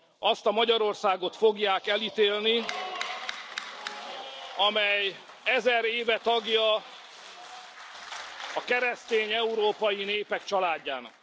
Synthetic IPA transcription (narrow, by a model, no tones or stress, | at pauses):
ɒst̪ɒmɒɟɒɾo̞rsaːɡo̞t̪fo̞ɡjaːkɛlit̪eːlni | ɒmɛj | ɛzɛɾeːvɛt̪ɒɡjɒ | ɒkɛɾɛst̪eːɲɛuɾoːpɒjineːpɛkt͡ʃɒlaːɟːa̰ːnɒ̰k